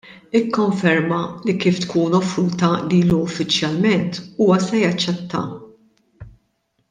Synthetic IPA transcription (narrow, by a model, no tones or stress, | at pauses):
ɪkːɔɱfɛɾmɐlikiːft̪kuːnɔfɾuːt̪ɐliːluʊfːɪt͡ʃjɐlmɛnt̪uːwɐsɛjɐt͡ʃːɛt̪ːɐ̰